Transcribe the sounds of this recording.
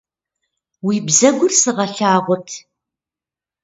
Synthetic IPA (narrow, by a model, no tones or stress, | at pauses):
wiːbzɐɡʷʊrsɨʁɐɬaːʁʷʊtʰ